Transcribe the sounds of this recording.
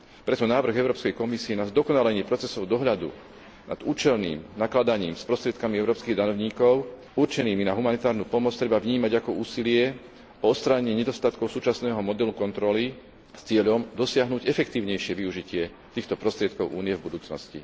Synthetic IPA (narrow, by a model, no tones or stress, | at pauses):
pɾɛt̪ɔnaːʋr̩ɣɛʊɾɔːpskɛjkɔmisiɛnazd̪ɔkɔnalɛɲɪɛpɾɔt͡sɛsɔʊd̪ɔɦʎad̪ṵ | na̰d̪̥uːt͡ʃɛlnḭːmnaklad̪aɲiːmspɾɔst̪ɾɪɛt̪̚kamiɛʊɾɔːpskiːɣd̪aɲɔʊɲiːkɔʊ | uɾt͡ʃɛniːminaɦumanit̪aːɾnupɔmɔt͡st̪ɾɛbavɲiːmaɟakɔuːsilɪɛ | ɔɔst̪ɾaɲɛɲɪɛɲɛd̪ɔst̪at̪kɔʊsuːt͡ʃasnɛːɦɔmɔd̪ɛlukɔnt̪ɾɔli | st͡sɪɛʎɔmd̪ɔsɪaɦnuɟɛfɛkt̪iːʊɲɛjʃɪɛʋiuʒicɪɛ | t̪iːxt̪ɔpɾɔst̪ɾɪɛt̪kɔʊʔuːniɛvbud̪uːt͡snɔ̰scḭ